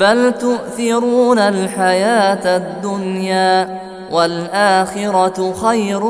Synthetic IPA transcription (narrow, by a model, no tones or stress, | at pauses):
balt̪ʊʔθɪɾuːnalħajaːt̪d̪ːʊnjaː | walʔaːxɪɾɑxajɾ